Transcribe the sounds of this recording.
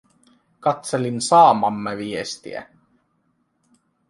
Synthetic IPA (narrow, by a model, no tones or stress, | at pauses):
kɑt̪selinsɑːmɑmːeʋiest̪ḭæ̰